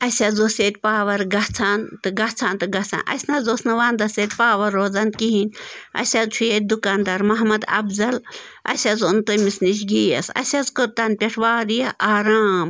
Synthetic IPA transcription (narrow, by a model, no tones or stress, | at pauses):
ɐsʲɐzoseːt̪̚ʲpaːʋɐɾɡɐt͡sʰaːnt̪ɨɡɐt͡sʰaːnt̪ɨɡɐt͡sʰa̰nʔɐ̰sʲnɐzoːsnɐʋaːnd̪ɐset̪ʲpaːʋɐɾoːzankiɦinʲɐ̰sʲɐzt͡ʃʰueːt̪̚ʲd̪ukaːnd̪aɾmɐɦmɐd̪ɐ̰bzɐl | ɐ̰sʲɐzunt̪omisniʃ̬ɡiːjɐ̰sɐ̰sʲɐzkot̪ɐnpʲeʈʰʋaːɾijɐʔaːɾaːm